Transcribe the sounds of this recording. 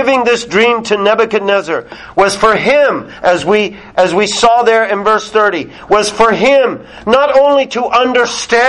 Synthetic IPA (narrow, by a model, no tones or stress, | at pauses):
ɪvɪ̃ŋðɪsdɹĩmtʰɨnɛbɨkɨnɛzə˞ | wʌz̥fə˞ɪ̃mʔɨzwi | ɨzwisɔðə˞ɪ̃nvɜ˞sθɜ˞ɾi | wʌz̥fə˞ɪ̃m | nəɾõʊ̃nliɾəʔʌ̃ndə˞stæ